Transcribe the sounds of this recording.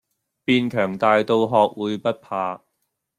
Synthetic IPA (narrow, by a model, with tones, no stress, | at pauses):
piː˧nkʰœː˨˩ŋt̪aː˨˧jt̪o˧wɦɔː˨˧k̚wuː˨˧jpɐ˥t̚pʰaː˧